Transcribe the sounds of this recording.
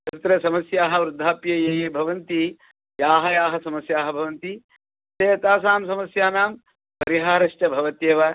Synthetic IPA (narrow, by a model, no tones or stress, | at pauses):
ɐt̪ɾɐsɐmɐsjaːɦɐʋɾud̪ʱːaːpjɐjeːjeːbʱɐʋɐnt̪i | jaːɦɐjaːɦɐsɐmɐsjaːɦɐbʱɐʋɐnt̪i | seːjɐt̪aːsaːmsɐmɐsjaːnaːm | pɐɾiɦaːɾɐʂʈɐbʱɐʋɐt̪jeːʋa